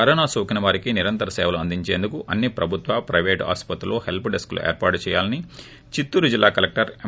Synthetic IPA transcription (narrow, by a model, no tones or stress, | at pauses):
ɐɾoːɳaːsoːkinɐʋaːɾikiniɾɐnt̪ɐɾɐsɛːʋɐluɐnd̪iɲt͡ʃe̞ːnd̪ukuʔɐnːipɾɐbʱut̪ʋaːpɾɐjʋeːʈa̰ːspɐt̪ɾulːoːhelpɖesklṵʔḛːɾpaːɾʈt͡ʃɛːjaːlɐni | t͡ʃit̪ːuːɾud͡ʒilːaːkɐlek̚ʈɐɾ